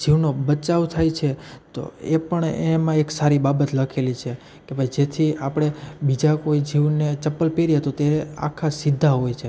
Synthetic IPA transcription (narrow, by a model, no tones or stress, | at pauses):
d͡ʒʱiʋnobət͡ʃaʋt̪ʰajt͡ʃʰet̪o̰ḛpəɳemãeksaɾibabət̪ləkʰelit͡ʃʰe | kebʱajd͡ʒet̪ʰiapɽ̃ebid͡ʒakoid͡ʒʱiʋnet͡ʃəpːəlpeɾiɦət̪ot̪ea̰kʰasid̪ʱːaɦojt͡ʃʰe